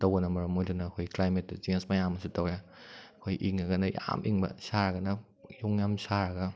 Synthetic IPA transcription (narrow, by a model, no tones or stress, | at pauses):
tɐwɡɐnɐmɐɾɐmojdunɐːkʰojklajmetːɐt͡ʃensmajamɐsutɐwjakʰojʔiŋɐɡɐnɐja̰mʔiŋbɐ̰saɾɐɡɐnɐ | juŋjamsaɾɐɡɐ